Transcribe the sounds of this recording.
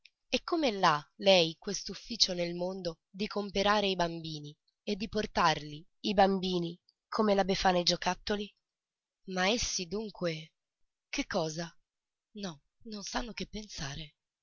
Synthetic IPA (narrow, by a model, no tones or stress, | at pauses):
ekːomeɛlːalɛjkwest̪ufːiːt͡ʃonelmond̪o | d̪ikʰompeɾaːɾeibambiːni | ed̪ːiport̪arli | ibambiːni | kʰomelabefaːnajd͡ʒokat̪ːoli | maesːid̪uŋkwe | kekːɔːza | nɔ | nonsanːok̟epːensaːɾe